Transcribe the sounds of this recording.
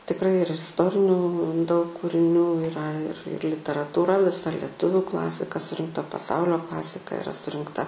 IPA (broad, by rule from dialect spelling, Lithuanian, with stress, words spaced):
tʲɪkˈrɐɪ ɪr ɪsˈtoːrʲɪnʲuː dɐʊk kuːrʲɪˈnʲuː ɪˈrɐ ɪr ɪr lʲɪtʲɛrɐtuːˈrɐ ʋʲɪˈsɐ lʲɛˈtʊʋʲʊ ˈklˠɑːsʲɪkɐ sʊrʲɪŋkˈtɐ pɐˈsɐʊlʲoː ˈklˠɑːsʲɪkɐ ɪˈrɐ sʊrʲɪŋkˈtɐ